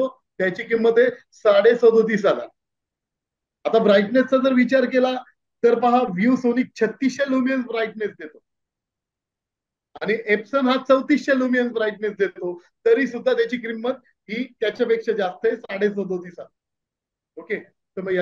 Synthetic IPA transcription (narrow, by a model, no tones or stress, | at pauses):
o | t̪jat͡ɕiːkɾimːəd̪ʱːe | saɽesəd̪ʱot̪̬iːs̬ala̰ | at̪abɾajʈnest͡sad͡zəɾʋit͡ɕaɾkela | t̪əɾpaɦaʋjuʋsoniːk̚t͡ɕʰət̪ːisɕelumijənsbɾajʈ̚nesd̪et̪o | aɽ̃iʔepsənɦat͡səwt̪iɕɕelumijənsbɾajʈ̚nesd̪et̪o | t̪əɾiːsud̪ʱːat̪jat͡ɕiːkɾimːət̪̚ | ɦiːt̪jat͡ɕapekʂəd͡ʑast̪əɦesaɽesɔd̪ot̪iːsala | oke | t̪əɾməɡja